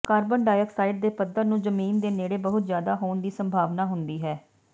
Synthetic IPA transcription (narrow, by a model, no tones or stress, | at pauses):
kaːɾbəɳɖaːjəksaːɪʈ̚d̪eːpəd̪əɾnũːzəmiːnd̪eːneːɽeːbəɦʊt̪zjaːd̪aːɦoːnd̪iːsəmbʱaːʋnaːɦʊnd̪iːɦɛː